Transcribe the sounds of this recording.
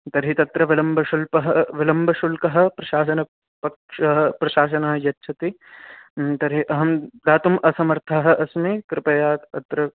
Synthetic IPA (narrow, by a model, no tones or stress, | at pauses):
t̪ɐɾɦit̪ɐt̪ɾɐʋɪlɐmbʱɐʃulpɐɦɐʋɪlɐmbʱɐʃulkɐɦɐ̆pɾɐʃaːs̬ɐnɐ | pɐkʃɐɦɐpɾɐʃaːs̬ɐnɐɦɐjɐtːʃʰɐt̪i | t̪ɐɾɦiʔɐɦɐmd̪aːt̪umʔɐsɐmɐɾt̪ʰaɦɐ̆ʔɐsmekɾɪpɐjaːt̪ɐt̪ɾɐ